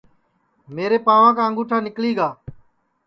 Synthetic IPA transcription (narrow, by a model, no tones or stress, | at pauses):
meːɾeːpaːʋãːk̬ãːŋɡuːʈʰãːnɪkliːɡaː